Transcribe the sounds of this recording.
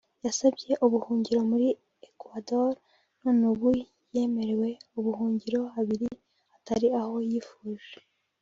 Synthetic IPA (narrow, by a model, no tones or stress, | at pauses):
jasabɟe̞ʔuβuhuːɲɟiɾo̞muɾi | ekwadoɾ | nonuβu | je̞ːme̞ɾewe̞uβuhuːɲɟiɾo̞haβiɾi | hataɾiaho̞jiːfuːʒe̥